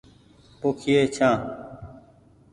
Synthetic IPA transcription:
poːkʰɪjeːt͡ʃʰãː

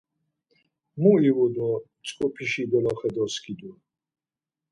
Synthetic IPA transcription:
muiwud̪ɔ | t͡sʼkʼɔpʰiʃiɡɔlaχɛd̪ɔskʰʼid̪u

